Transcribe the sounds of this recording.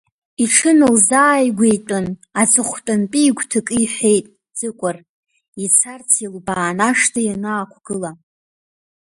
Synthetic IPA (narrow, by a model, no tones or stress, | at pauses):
iʈ͡ʂʰɨnɨlzaːjɡʷejtʼɨnat͡sʼɨχʷtʼɨnpʼiːɡʷtʰɨkʼɨiħʷe̞jtʼ | d͡zɨkʷʼʊr | it͡sʰart͡sʰilbaːnaʂtʰajanaːkʷʰɡ̥ɨla